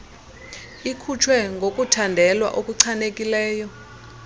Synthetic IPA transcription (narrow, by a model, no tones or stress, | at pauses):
ikʰut͡ʃʰwɛŋɡʱokʼutʰandʱɛlwa̰ʔokʼuǀʰanekʼilɛːjɔ